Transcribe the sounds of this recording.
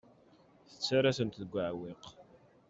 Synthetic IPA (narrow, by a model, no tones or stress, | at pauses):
θə̥t͡sːaɾasənt̪ðəɡʷːaʕwɪq